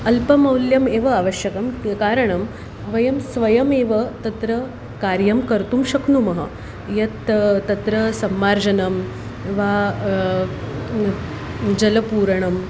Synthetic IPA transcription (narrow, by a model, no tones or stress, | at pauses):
ɐlpɐmɐwljɐmeːʋɐaːʋɐʃjɐkɐmkaːɾɐɳɐm | ʋɐjɐmsʋɐjɐmeːʋɐt̪ɐt̪ɾɐ | kaːɾjɐmkɐɾt̪umʃɐknumɐɦɐ̰ | jɐt̪t̪ːɐt̪ɾɐsɐmːaːɾd͡ʑɐnɐm | eʋaː | d͡ʑɐlɐpuːɾɐɳɐm